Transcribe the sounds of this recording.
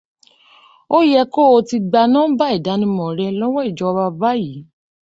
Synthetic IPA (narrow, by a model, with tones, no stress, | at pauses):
o˦jɛ˧ko˦o˧ti˧ɡ͡ba˧nãː˦ba˦i˦˨da˨˦nĩ˧˦mɔ̃˨ɾɛ˧lɔ˦wɔ̃˦i˦˨d͡ʒɔ˧ba˧ba˦ji˨˦